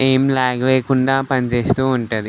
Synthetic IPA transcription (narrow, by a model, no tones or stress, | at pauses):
eːmlaːɡleːkuɳɖaːpɐnt͡ʃe̞ːst̪uːɳʈud̪i